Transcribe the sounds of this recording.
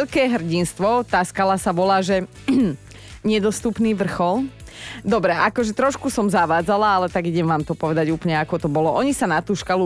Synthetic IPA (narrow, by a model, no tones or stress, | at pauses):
ʎkɛːɦr̩ɟinst̪ʋɔt̪aːskalasabɔlaːʒɛ | ɲɛd̪ɔst̪upniːʋr̩xɔld̪ɔbɾɛʔakɔʒɛt̪ɾɔʃkusɔmzaʋaːd͡zalaalɛt̪aɡiɟɛmʋaːmt̪ɔpɔʋɛd̪aɟuːplɲɛakɔt̪ɔbɔlɔʔɔɲisanat̪uːʃkalu